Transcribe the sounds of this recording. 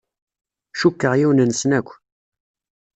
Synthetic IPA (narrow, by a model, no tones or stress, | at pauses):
ʃukːəʁjiwnənsnækʷː